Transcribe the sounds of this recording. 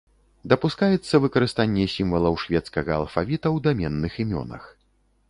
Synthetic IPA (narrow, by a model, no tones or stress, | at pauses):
d̪ɐpuskajɛt̪sːɐvɨkɐɾɨst̪anʲːɛsʲimvɐlˠɐwʂvʲɛt̪skɐɣɐ̰ːlˠfavʲit̪ɐwd̪amʲɛnːɨximʲɔ̰nɐ̰x